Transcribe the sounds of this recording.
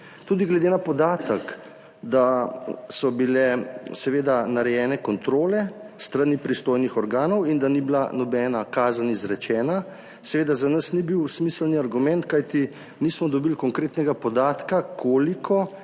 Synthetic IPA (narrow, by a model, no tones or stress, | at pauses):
t̪uːd̪iɡlɛd̪eːnapɔd̪aːt̪ək | d̪asɔbilɛsɛʋeːd̪anaɾɛjɛːnɛkɔnt̪ɾoːlɛst̪ɾanipɾist̪oːjnixɔɾɡaːnɔwind̪anibila̰nɔbɛːnakaːzanizɾɛt͡ʃɛːna | sɛʋeːd̪azanəsnibiwsmiːslniaɾɡumɛnt̪kajt̪i | nismɔd̪ɔbilkɔŋkɾeːt̪nɛɡapɔd̪aːt̪kakʰoːlikʰɔ